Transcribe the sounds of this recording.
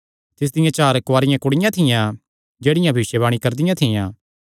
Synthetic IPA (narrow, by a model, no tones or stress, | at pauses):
t̪ɪs̬d̪ɪjãt͡ʃaːɾkwaːɾɪjãkʊɽɪjãt̪ʰɪjã | d͡ʒeːɽɪjãbʱɪʃjeβaːɽ̃ikɐɾd̪ɪjãt̪ʰɪjãː